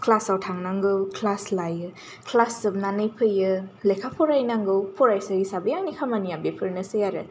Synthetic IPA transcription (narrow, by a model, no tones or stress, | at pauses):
kʰlasawtʰaŋnaŋɡɯwkʰlaslajɯ | kʰlasɯb̚nanɯjpʰɯjɯlejkʰapʰɔɾajnaŋɡɯwpʰɔɾajsaɾisabɯjaŋnikʰamanijabepʰɯɾnɯsɯjaɾɯ̰